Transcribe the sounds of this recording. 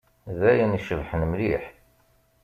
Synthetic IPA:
ðæjəniʃəvħənəmliħ

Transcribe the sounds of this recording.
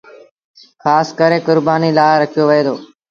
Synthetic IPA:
xaːskəɾeːkʊɾbaːniːlaːɦɾəkʰijoːʋəeːd̪ʰoː

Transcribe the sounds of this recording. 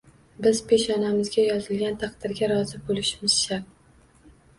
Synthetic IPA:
bɪz̥pʰe̞ʃɒnamɪzɡʲajɒzɪlɡʲant̪ʰɑqd̪ɪɾɡʲaɾɒzɪbolɪʃɪmɪzʃa

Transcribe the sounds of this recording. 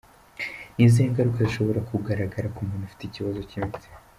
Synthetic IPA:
nizieŋɡaɾukeziʃo̞βo̞ɾakuɡaɾaɡaɾakumunufi̥teciβazo̞cimize̥

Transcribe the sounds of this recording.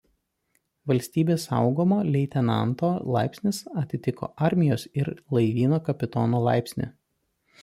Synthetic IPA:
ʋɐlʲsʲt̪ʲiːbʲeːsɑ̰ʊɡoːmoːlʲɛɪt̪ʲɛnɑ̰nt̪oːlˠɑ̰ɪpʲsʲnʲɪsɐt̪ʲɪt̪ʲɪko̰ːʔɑɾʲmʲɪjoːsɪɾlˠɐɪʋʲiːnoːkɐpʲɪt̪oːnoːlˠɑ̰ˑɪpʲsʲnʲɪ̰

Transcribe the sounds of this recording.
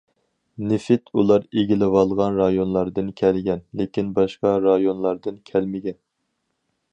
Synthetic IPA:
nɪfɪt̪ʰulˠɑɾeɡʲilɪwɑlˠʁɑnɾɑjonlˠɑɾd̪ɨnkʲʰɛlɡʲɛnlekʲinbɑʃqɑɾɑjonlˠɑɾd̪ɨnkʲʰɛlmɪɡʲɛn

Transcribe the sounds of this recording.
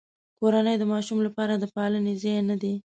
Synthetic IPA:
koɾanəjd̪əmɑʃumlapɑɾad̪əpɑlənezɑjnad̪e

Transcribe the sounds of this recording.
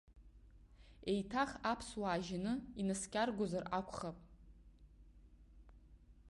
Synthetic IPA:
e̞jtʰaχapʰswaːʒanɨinɨskʲʼarɡʷozarakʷʰʼχapʼ

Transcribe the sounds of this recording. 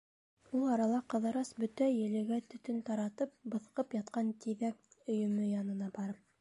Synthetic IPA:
ulˠɑɾɑlˠɑqɤ̆ðɤ̆ɾɑsbɵt̪æjɘ̆lɘ̆ɡæt̪ɵ̆t̪ɵnt̪ɑɾɑt̪ɤp̚bɤ̆θqɤpjɑt̪qɑnt̪iðæk̚ɵ̆jɵ̆mɵjɑnɤ̆nɑbɑɾɤp̚

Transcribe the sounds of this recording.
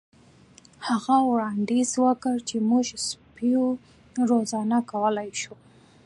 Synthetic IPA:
haɣawɽɑnd̪izwəkəɾt͡ʃemuʒspijo | ɾozɑnakawəlajʃu

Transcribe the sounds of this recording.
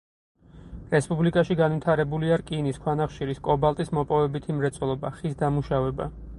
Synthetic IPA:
ɾɛspʼublikʼaʃiɡanvit̪ʰaɾɛbuliaɾkʼiniskʰwanaχʃiɾiskʼɔbalˠt̪ʼismɔpʼɔvɛbit̪ʰimɾɛt̪sʼɔlˠɔbaχisd̪amuʃavɛba̰

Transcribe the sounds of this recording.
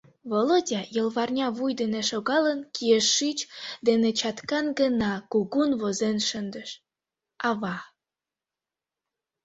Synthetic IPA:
βolodʲɑjəlβɑrnʲɑβujd̪eneʃoɣɑlənkieʃːit͡ɕd̪enet͡ɕɑt̪kɑnɡənɑkuɣunβozenʃənd̪əʃ | ɑβɑ

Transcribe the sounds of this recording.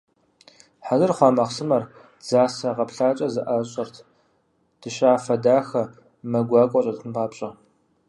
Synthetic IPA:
ħazɨrχʷɑːmɐqsɨmɐr | d͡zaːsɐʁɐpɬaːt͡ʃʼɐzɨʔaɕʼɐrtʰ | d̥ɨʃɕʼaːfɐdaːxɐ | mɐɡʷɑːkʷʼɔt͡ʃʼɐtʰɨmpʰaːpɕʼɐ

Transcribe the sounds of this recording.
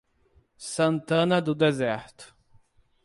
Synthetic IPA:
sɐ̃nt̪ɐ̃nɐd̪ʊd̪ezɛɾt̪ʊ̥

